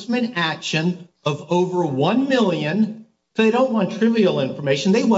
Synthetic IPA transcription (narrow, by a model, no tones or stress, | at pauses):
smɨ̃ñækʃɨ̃n | ʌvoʊvə˞wʌ̃nmɪlˠjɨ̃n | sʊðeɪɾõʊ̃nʔwɑ̃ntʰɹ̥ɪvil̩ˠɪ̃ɱfə˞meɪʃɨ̃n̩ðeɪwʌ̃